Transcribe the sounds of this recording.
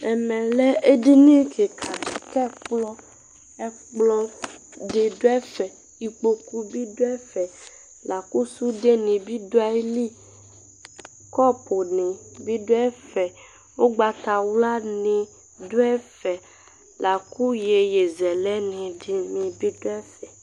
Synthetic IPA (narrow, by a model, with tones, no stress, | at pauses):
ɛ˨mɛ̃˨lɛ˦e˦di˦nĩ˦kʰe˨kʰa˨kɛ˦k͡plɔ˦ | ɛ˦ | k͡plɔ˦ɖe˨do˦ɛ˦fɛ˨ | i˨k͡po˨ku˦bi˦do˦ɛ˦fɛ˨ | la˨ku˦su˦de˦nĩ˨bi˦do˦a˦li˦ | kɔ˦pʰo˨nĩ˨bi˦do˦ɛ˦fɛ˨ | wo˦ɡ͡ba˨t̪a˨wla˦nĩ˨ | do˦ɛ˦fɛ˨ | la˨ku˦je˨je˨zɛ˨lɛ˦nĩ˨di˦mĩ˨bi˦do˦ɛ˦fɛ˨